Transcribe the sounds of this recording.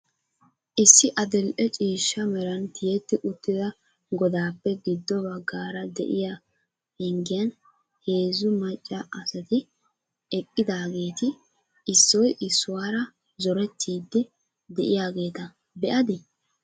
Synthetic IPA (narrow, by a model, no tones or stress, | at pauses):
ʔɪsːɪʔɐd̪ɛlʔɛt͡ʃʼiːʃːɐmɛɾɐnt̪ɪjɛt̪ːɪʔʊt̪ːɪd̪ɐ | ɡɔd̪aːpːɛɡɪd̪ːɔbɐɡːaːɾɐd̪ɛ̰ʔɪja | hɛŋɡɪjɐn | heːzʊmɐt͡ʃʼːɐʔɐsɐt̪ɪ | ɛkʼːɪd̪aːɡe̞ːt̪ɪ | ʔɪsːɔjʔɪsːʊwaːɾɐ | zɔɾɛt̪ʰːiːd̪ːɛ | d̪ɛʔɪjaːɡe̞ːt̪ɐ | bɛʔɐd̪ɪ